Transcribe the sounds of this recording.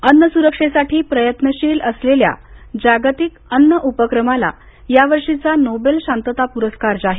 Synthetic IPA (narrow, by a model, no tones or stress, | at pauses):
ənːəsuɾəkʂesaʈʰiːpɾəjət̪nəɕiːləslelja̰d͡ʑaɡt̪ikənːəʔupəkɾəmala̰ | jaʋəɾʂit͡sanobelɕant̪ət̪apuɾəskaɾd͡ʑaɦe